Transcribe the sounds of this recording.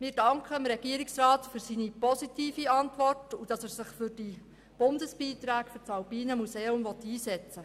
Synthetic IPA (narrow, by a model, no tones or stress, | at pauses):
mɪːɾd̥ɑŋkχəmɾɛɡ̥iəɾiksɾɑːtfyɾsiːnipɔsitiːfiɑntʋɔrtud̥ɑsæːɾsɪχfʏɾd̥i | b̥ʊndəsb̥iːtɾæːkfyɾt͡sɑwbiːnəmuseːʊmvɔt̪ːiːsɛt͡sə